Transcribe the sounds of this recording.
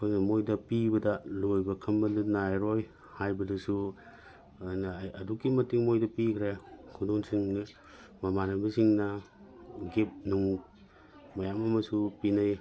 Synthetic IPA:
pʰanɐmojdɐpibɐdɐlojbɐkʰɐmbɐdɐnajɾoj | hajbɐdɐsu | njɐdukːimɐtiŋmojdɐpikʰɾekʰudoŋsiŋn | mɐmanɐbɐsiŋnɐ | ɡep̚nuŋ | mɐjamɐmɐsupinaj

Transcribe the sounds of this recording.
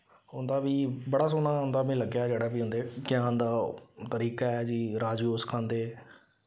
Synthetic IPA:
ɦʊ̃nd̪aːbiːbəɽaːsoːnaːɦʊ̃ːnd̪aːmẽːləɡjaːd͡ʒeːɽaːbiːɦʊ̃nd̪eːkɪjãːnd̪aːt̪əɾiːkaːɛd͡ʒiːɾaːd͡ʒiːoːskʰãːnd̪eː

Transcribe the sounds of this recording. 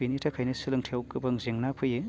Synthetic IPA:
initʰapʰajnensilɯŋtʰewkɯbɐŋzeŋnapʰɯje

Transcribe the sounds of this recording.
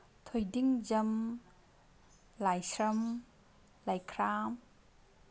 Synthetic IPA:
tʰojdiŋzɐm | lajsɾɐm | lajkʰɾam

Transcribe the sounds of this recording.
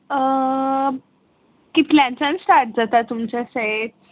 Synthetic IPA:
ə | kit̪lãnt͡sãnsʈaɾʈ̚d͡zat̪at̪umt͡ɕasə

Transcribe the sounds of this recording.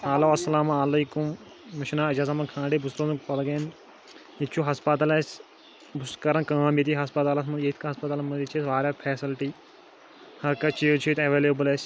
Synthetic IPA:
haːloːɐsɐlaːmaːleːkumː | ɐʃnaːɐd͡ʒaːzɐmɐnkʰãːɳɖibusɾoːzupɐlɡen | it͡ʃʰuɦɐspɐt̪ɐlɐs | bʊskɐɾɐnkaːmjit̪iɦɐspɐt̪aːlɐsmɐnjeːt̪ʰkɐɦɐspɐt̪alɐmɐd̪it͡ʃʰesʋaːɾapʰeːsilʈi | hɐɾkɐt͡ʃʰit͡ʃʰiːt̪eʋeːleːbɨlesʲ

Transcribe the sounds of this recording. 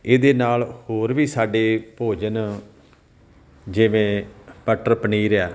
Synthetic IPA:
eːd̪eːnaːlhoːɾʋiːsaːɖeːpoːd͡ʒən | d͡ʒɪʋẽːpəʈəɾpəniːɾaː

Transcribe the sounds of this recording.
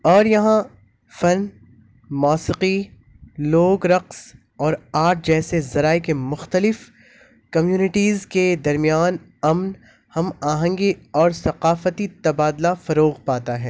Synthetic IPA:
ɔːɾjɐɦã | fɐn | mɔːsɪqi | loːɡɾɐqs | ɔːɾaːɾʈ̚d͡ʒɛːsezɐɾaːekemʊxt̪əlɪf | kɐmjuːnɪʈiːzked̪ɐɾmijaːn | ɐmn | hɐmaːɦə̃ŋɡiɔːɾsɐqaːfət̪it̪ɐbaːd̪lafɐɾoːɣpaːt̪aɦɛː

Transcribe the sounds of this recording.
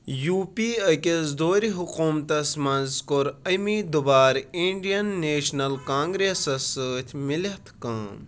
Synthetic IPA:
juːpiːɐkʲesd̪oːɾiɦukuːmt̪ɐsmɐnzkoɾɐmiːd̪ubaːɾiɳɖijɐnːeːʃnɐlkãːŋɡɾeːsɐsəːt̪ʲʰmɪlɐt̪ʰkɐ̃ː

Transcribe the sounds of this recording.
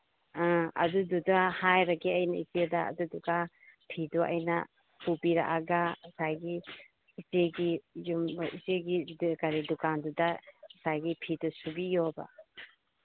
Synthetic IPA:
ãɐ̰dududahajɾaɡiɐjnaizeda̰ːduduka | pʰiduʔɐ̰jnɐ | pubiɾa̰ʔaɡasajɡi | izeɡijumizeɡikaɾidukandudasajɡipʰidusubijɔba̰

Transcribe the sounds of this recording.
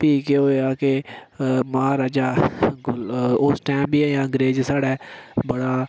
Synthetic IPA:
piːkeɦoːeaːke | mãːɾaːd͡ʒaː | ʊsʈɛːmbiːɛːjãːə̃ŋɡɾeːd͡ʒsaːɽɛːbəɽaː

